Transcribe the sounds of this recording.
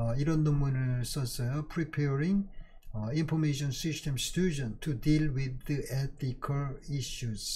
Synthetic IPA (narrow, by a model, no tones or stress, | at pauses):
iɾʌnːoŋmunɯɭs͈ʌs͈ʌjopʰɾipʰeɾiŋ | inpʰomeɕʰʌnsistʰemstʰud͡ʑʌntʰudilwid̪ɯet̪ʰikʰʌɭiɕus